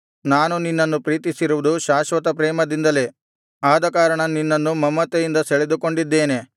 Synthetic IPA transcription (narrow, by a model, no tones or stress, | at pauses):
naːnuninːɐnːupɾiːt̪isiɾuʋud̪uʃaːʃʋɐt̪ɐpɾɛːmɐd̪ind̪ɐle | aːd̪ɐkaːɾɐɳɐninːɐnːumɐmːɐt̪ejind̪ɐseɭed̪uko̞ɳɖid̪ːe̞ːne̞